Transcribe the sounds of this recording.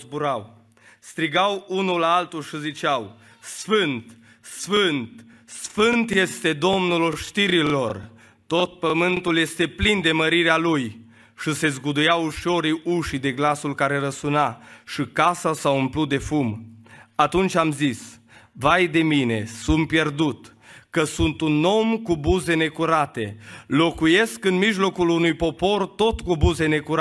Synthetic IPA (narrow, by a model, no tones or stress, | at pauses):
zbuɾaw | st̪ɾiɡawunulːaalt̪ulʃizit͡ʃaw | sfɨnt̪ | sfɨnt̪ | sfɨnt̪je̞st̪e̞d̪o̞mnulʃt̪iɾilo̞r | t̪o̞t̪̚pəmɨnt̪ulje̞st̪e̞plind̪e̞məɾiɾealuj | ʃise̞zɡud̪ujawuʃo̞ɾiuʃid̪e̞ɡlasulkaɾe̞ɾəsunaʃikasasaumplut̪̚d̪e̞fumat̪unt͡ʃʲamzis | vajd̪e̞mine̞sumpje̞rd̪ut̪ | kəsunt̪uno̞mkubuze̞ne̞kuɾat̪e̞lo̞kuje̞skɨnmiʒlo̞kulunujpo̞po̞rt̪o̞t̪kubuze̞ne̞kuɾa